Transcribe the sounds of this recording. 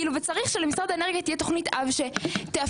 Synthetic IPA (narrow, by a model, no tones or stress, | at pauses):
iluvet͡saʁiχʃelemisʁadaeneʁɡitijeto̞χnitʔavʃe̞tea